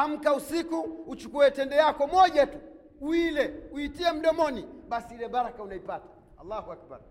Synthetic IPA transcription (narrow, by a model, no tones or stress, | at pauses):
ham̩kausikuːt͡ʃukuɛtɛndɛjakɔmɔʄatu | uilɛuitiɛm̩ɗɔmɔniɓasiilɛbaɾakaunaipatḁ | alːahuak̚ba̰ɾ